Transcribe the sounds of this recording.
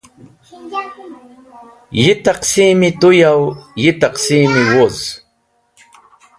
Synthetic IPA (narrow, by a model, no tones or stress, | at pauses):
jɪt̪ɑqsimɪt̪ʊjawjɪt̪ɑqsiːmɪwʊz